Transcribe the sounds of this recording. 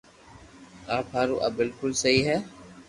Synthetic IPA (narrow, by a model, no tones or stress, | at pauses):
aːpʰaːɾṵːʔə̰bɪlkʊlsəɦiːɦɛː